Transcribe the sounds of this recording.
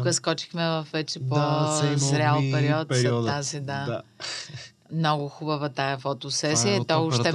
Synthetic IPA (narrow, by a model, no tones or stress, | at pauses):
kəskɔt͡ʃi̥xmɛvɐfvɛt͡ʃɛpɔsɾʲalˠpɛɾiɔt̪d̪azid̪a | mnɔɡʊxubɐvɐt̪ajɐfot̪ʊsɛsiət̪ɔʊʃɛ